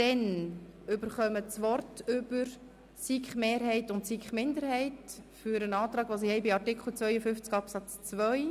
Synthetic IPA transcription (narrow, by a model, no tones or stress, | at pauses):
d̥ɛnʏbəɾχœmət͡sʋɔrtʏb̥əɾ | siːkχmeːɾɦɛɪtʊntsiːkχmɪndəɾhɛɪtfyɾənɑːtrɑːɡʋoːs̬ɪhɛɪbiɑɾtɪkχl̩t͡svœʏəfʏft͡sɡɑpsɑt͡st͡svœʏ